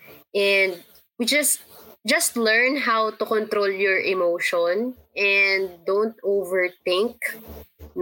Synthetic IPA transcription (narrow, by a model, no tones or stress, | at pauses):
ʔɛ̃nd̪̚ | wid͡ʒɐst̪̚d͡ʒɐst̪lɛɹnɦawt̪ʊkɔ̃nt̪ɾoljɔɹʔɛmowʃɔ̃n | ʔɛnd̪ːõwnt̪ovɛɹt̪ɪ̃ŋk | n